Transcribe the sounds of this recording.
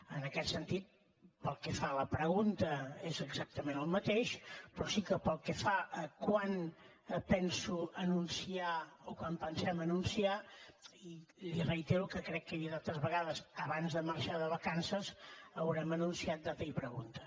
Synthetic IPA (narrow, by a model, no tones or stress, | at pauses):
ənəkɛt̪sənt̪it̪̚ | pəlˠkɛfaləpɾəɣunt̪əezəɡzak̚t̪əmenəlˠmət̪eʃpɾɔsikəpəlˠkɛfaəkwan | pɛnsuənunsiaokwampənsɛmənunsiailirəit̪eɾukəkɾɛkːəβiðalˠt̪əzβəɣaðəzəβanzðəməɾʃaðəβəkansəzəwɾɛmənunsiat̪̚d̪at̪əipɾəɣunt̪ə